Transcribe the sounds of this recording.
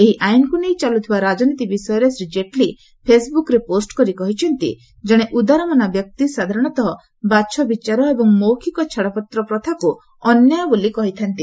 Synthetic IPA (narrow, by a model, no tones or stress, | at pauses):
eɦiʔajnkunejt͡ʃalut̪ʰibaɾad͡ʒɔnit̪ibisɔjɔɾesɾid͡ʒeʈli | pʰesbukɾeposʈkɔɾikɔɦit͡ʃʰɔnt̪ḭ | d͡ʒeɽ̃eʔud̪aɾɔmanabjɔk̚t̪isad̪ʱaɾɔɽ̃ɔt̪ɔɦɔ | bat͡ʃʰɔbit͡ʃaɾɔebɔŋmowkʰikɔt͡ʃʰaɽɔpɔt̪ɾɔpɾɔt̪ʰaku | ɔnjɔjɔbolikɔɦit̪ʰant̪i